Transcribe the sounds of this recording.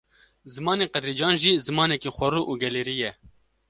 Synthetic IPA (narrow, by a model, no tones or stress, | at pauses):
zɨmɑːneːqɛd̪ɾiːd͡ʒɑːnʒiːzɨmɑːnɛkiːxʷɐɾuːʔuːɡɛleːɾijɛ